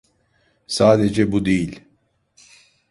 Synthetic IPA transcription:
saːd̪ed͡ʒɛbud̪ejilʲ

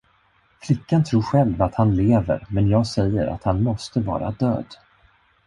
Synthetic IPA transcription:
flɪkːant̪ʰɾuːɾɧɛlvat̪hanleːvə̰ɾmɛnjɑːɡsɛjːəɾa̰t̪hanmɔst̪əvɑ̰ːɾa̰d̪ø̰ːd̪

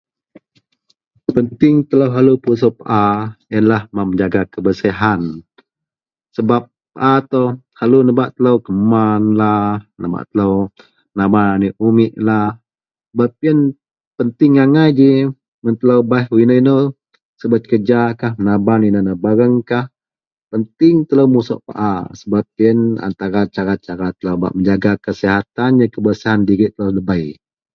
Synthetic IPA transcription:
pənt̪ɪŋt̪ələwɦalupus̬opaʔajənlahmaməɲd͡ʒaɡakəbəsiɦan | səbap̚ːəʔat̪ohalunəbaʔt̪ələwkəmanlahnəba̰ʔt̪ələw | ənabananiʔumiʔlah | bap̚ən | pənt̪ɪŋːaŋajd͡ʒi | mənt̪ələwbahuinəinə | səbət̪̚kəd͡ʒakahənabaninənəbaɾəŋkah | pənt̪ɪŋt̪ələwmusɔ̰ʔpa̰ʔasəbap̚iəna̰nt̪aɾat͡ʃaɾat͡ʃaɾat̪ələwba̰ʔməɲd͡ʒaɡakəsiɦat̪anjəkəbəsiɦandiɾɪʔt̪ələwləbəj

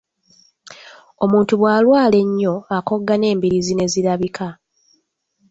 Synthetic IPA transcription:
o̞muːntuβwaːlwaːle̞ɲːo̞ako̞ɡːane̞ːmbiɾizine̞ziɾaβikʰa

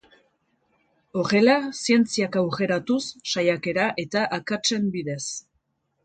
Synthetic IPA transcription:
o̞ɾe̞lasie̞nt͡siakawɣe̞ɾat̪usːajake̞ɾaʔe̞t̪aʔakat͡se̞mbiðe̞s

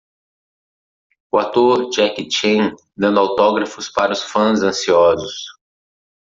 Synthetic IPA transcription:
ʊat̪oɾd͡ʒɛkit͡ʃẽ | d̪ɐ̃nd̪ʊawt̪ɔɡɾɐfʊspaɾɐʊsfɐ̃zɐ̃siɔzʊs

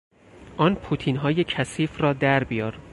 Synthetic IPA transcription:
ʔɒːnpʰut̪ʰiːnɦɒːjecʰæsiːfrɒːd̪æɾbijɒːɾ

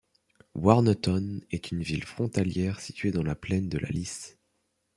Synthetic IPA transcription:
waʁnət̪ɔnɛt̪ʰynvilfχɔ̃t̪aljɛʁsi̥t̪ɥed̪ɑ̃laplɛnd̪əlʔa̰lis

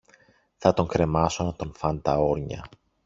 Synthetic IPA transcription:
θɐt̪o̞ŋkɾe̞mɐso̞nɐt̪o̞nfɐnt̪ɐo̞ɾɲɐ̰

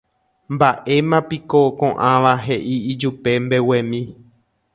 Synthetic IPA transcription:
mbaʔe̞mãpikokõʔãʋaɦe̞ʔiːd͡ʒupe̞mbe̞wẽmĩ

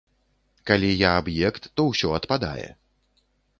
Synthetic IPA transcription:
kalʲijaːbjɛkt̪ːɔwsʲɔɐt̪pad̪a̰jɛ̰

